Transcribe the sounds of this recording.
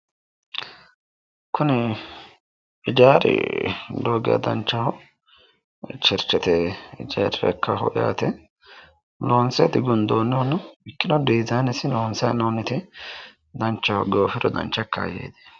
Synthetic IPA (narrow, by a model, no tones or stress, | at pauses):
kʰʊnɪ | ɪd͡ʒaːɾɪ̰loːɡɪ̰jɐ̰d̪ɐ̰nt͡ʃːɐhɔ | t͡ʃɪɾt͡ʃːɛt̪ɛɪd͡ʒaːɾɾɛ̰kːɐɦɔ̰ja̰ːt̪ɛ | loːnsɛjɐd̪ɪɡʊnd̪oːnːɪɔnʊɪkːɪnɔd̪iːzaːnɛsɪnoːnsɐjɐnoːnɪt̪ɪ | d̪ɐnt͡ʃːɐhɔɡoːfɪɾɔd̪ɐ̰nt͡ʃːɐkːɐ̰jḛːd̪e̥